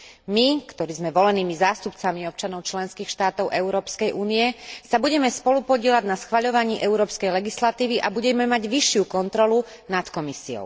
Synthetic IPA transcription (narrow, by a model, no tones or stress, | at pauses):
mikt̪ɔɾiːzmɛʋɔlɛniːmizaːst̪upt͡samiɔp̚t͡ʃanɔʊt͡ʃlɛnskiːxʃt̪aːt̪ɔʊʔɛʊɾɔːpskɛjʔuːniɛsabuɟɛmɛspɔlupɔɟɪɛlaɟnasxʋaʎɔʋaɲiːʔɛuɾɔːpskɛjlɛɡislat̪iːʋiʔabuɟɛmɛmaɟʋiʃɪukɔnt̪ɾɔlu | nat̪kɔmisiɔ̰ʊ